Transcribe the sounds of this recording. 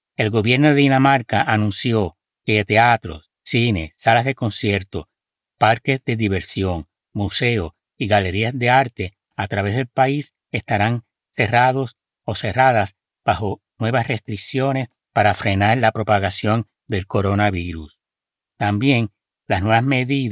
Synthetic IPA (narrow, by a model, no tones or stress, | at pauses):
e̞lɣo̞βje̞ɾno̞ðe̞ðinamaɾkaʔanũnsjo̞ | ke̞t̪e̞at̪ɾo̞̰sːine̞salazðe̞ko̞nsje̞ɾt̪o̞ | paɾke̞sðe̞ðiβe̞ɾsjo̞ŋ | muse̞o | iɣale̞ɾiasðe̞aɾt̪e̞ | at̪ɾaβe̞zðe̞lpais | est̪aɾaŋ | se̞raðo̞s | o̞se̞raðas | b̥aho̞ | nwe̞βasre̞st̪ɾiksjo̞ne̞s | paɾafɾe̞naɾlapɾo̞paɣasjo̞n | d̪e̞lko̞ɾo̞naβiɾus | t̪ambje̞ŋ | lasnwe̞βasme̞ðið